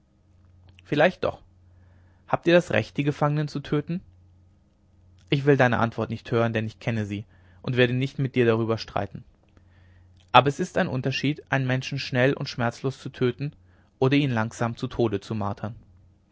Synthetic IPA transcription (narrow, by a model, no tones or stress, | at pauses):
fɪlaɪçt̚d̥ɔ̰χ | haːp̚tiːɐdasʁɛ̰çt̚d̥iːɡəfaŋənənt͡sutʰøːtn̩ | ʔɪçv̥ɪldaɪnə̰ʔa̰ntv̥ɔɐtnɪçthøːʁ̞əndɛnɪçkʰɛnəziː | ʔʊntv̥eːɐdənɪçtmɪt̚d̥iːɐɾaʁ̞yːbɐʃtʁ̥a̰ɪtn̩ | ʔaːbɐɛsɪstaɪnʔʊntɐʃiːtʔaɪnənmɛnʃn̩ʃnɛlʔʊ̰ntʃmɛɐt͡sloːst͡sutʰøːtn̩ | ʔoːɾɐiːnlaŋz̥aːmt͡sutʰoːdət͡suma̰ːɐtʰɐn